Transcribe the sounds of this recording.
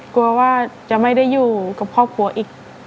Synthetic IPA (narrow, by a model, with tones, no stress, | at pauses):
ku˧ɐwaː˥˩t͡ɕa˨˩ma˥˩jda˥˩jːuː˨˩ka˨˩p̚kʰɔː˥˩p̚kʰu˨˩˦ɐ˦ʔiː˨˩k̚